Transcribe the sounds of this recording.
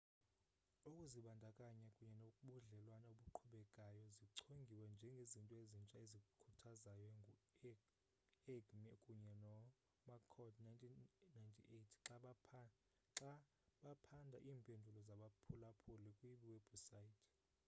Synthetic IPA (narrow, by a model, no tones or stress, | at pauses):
ukʼuziɓandʱakʼaɲakʼuɲɛnokʼuɓuɮɛlwanaoɓuǃʰɔɓɛkʼajɔziǀʰoŋɡʱiwɛnd͡ʒʱɛŋɡʱezintʼɔezint͡ʃʼaezikʼukʰutʰazajɔŋʱu | ɛɡmɛkʼuɲɛnɔ | makʰɔdnantʰʼinːajntʰʼḭʔetʰǁaɓʰ | ǁa | ɓapʰandʱaʔiːmpʼendʱulɔzaɓapʰulapʰulikʼwiɓiweb̥ʱusaitʰ